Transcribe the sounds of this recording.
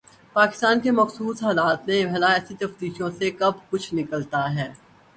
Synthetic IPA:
paːkɪ̥st̪aːnkemɐxsuːsɦaːlaːt̪mẽbɛɦlaɛːsit̪ɐft̪iːʃõsekɐbkʊt͡ʃʰnɪkəlt̪aɦɛː

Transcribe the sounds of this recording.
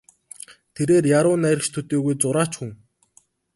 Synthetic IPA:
t̪ʰeɾeːrjaɾʊːnæɾʲɪ̆kt͡ɕt̪ʰɵt̪eːɣujt͡sʊɾaːt͡ɕxŭŋ

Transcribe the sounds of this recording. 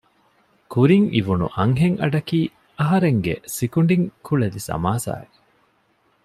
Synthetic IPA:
kuɾiŋiʋunṵʔɐŋɦeŋɐɖɐkiː | ɐɦɐɾeŋɡḛsikuɳɖiŋkʰuɭɐlisɐ̰maːsa̰ːe

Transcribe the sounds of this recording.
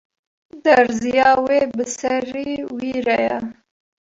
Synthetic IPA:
d̪ɐɾzijɑːweːbɨsɐɾiːwiːɾɛjɛ

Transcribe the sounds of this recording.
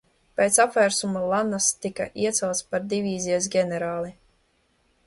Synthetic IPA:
pʲeːt̪sapvæɾsumalˠanast̪ika̰ʔiɛt̪sɛwt̪spaɾd̪ivʲiːzijas̬ɡʲɛnɛɾaːlˠi

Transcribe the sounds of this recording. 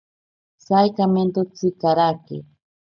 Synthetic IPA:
sajkament̪ot͡sɪkaɾakɪ̰

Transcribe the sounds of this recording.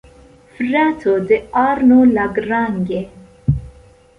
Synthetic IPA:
fɾat̪ʰod̪əaːɾnulaɡɾaŋɡe

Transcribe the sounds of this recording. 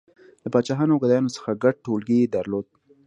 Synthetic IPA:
ləpɑt͡ʃɑɦɑnawɡad̪ajɑnosə̥xaɡaɖ̚ʈolɡed̪aɾlod̪̚

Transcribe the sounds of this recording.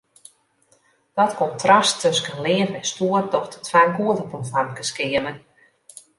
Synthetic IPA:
d̥ɔtkɔntʰrastʰɵskənlɪːfɛstuərdɔxtətʰwaːnkuətəprofamkəskɪəmən

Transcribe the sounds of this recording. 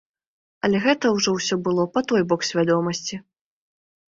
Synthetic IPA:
ɐlʲɛɣɛt̪ɐwʐɔwsʲɔbɨlˠɔpat̪ɔjbɔksʲvʲad̪ɔmɐsʲt͡sʲi

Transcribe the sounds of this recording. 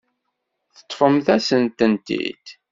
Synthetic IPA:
θə̥t̪ˤːfəmθæsənt̪ənt̪ḭd̪̥

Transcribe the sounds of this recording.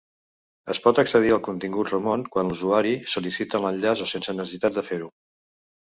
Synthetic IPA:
əspɔt̪əksəð̞iəlˠkunt̪iŋɡut̪rəmonkwanluzuaɾisulisit̪ələʎʎazosensənəsəsit̪at̪̚d̪əfeɾu

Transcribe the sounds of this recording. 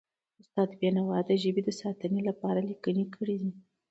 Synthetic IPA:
ʊst̪ɑd̪bjanawɑd̪əʒəbed̪əsɑt̪ənelapɑɾalikənekʰəɽid̪i

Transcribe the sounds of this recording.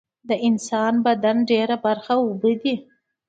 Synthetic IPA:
d̪əɪnsɑnbad̪anɖeɾabaɾxaʊbəd̪i

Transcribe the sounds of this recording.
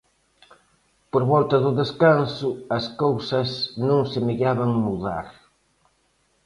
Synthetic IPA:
poɾβɔlt̪ɐðʊðeskansʊɐskowsɐsnõŋsɪmeɣaβɐŋmuða̰ɾ

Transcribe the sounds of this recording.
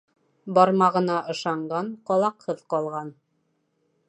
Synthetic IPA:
bɑɾmɑʁɤ̆nɑʔɤ̆ʃɑɴɢɑɴqɒlˠɑqhɤðqɑlˠʁɑn

